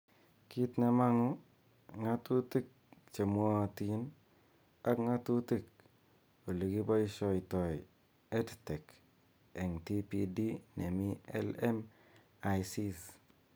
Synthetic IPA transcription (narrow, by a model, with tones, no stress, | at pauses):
ki˦tna˨ma˦ŋu˦ | ŋa˦tu˦ti˦k̚t͡ʃe˨mwɔ˦˨ti˨n | a˦kŋa˦tu˦ti˦k̚ | o˨li˨ɡi˦bɔ˦i˦ʃɔ˨i˨tɔ˨j | e˦ttɛ˨k | e˨ŋti˦pi˦di˦ne˨mi˦ɛ̰˦lɛ˦m | a˨jsi˦s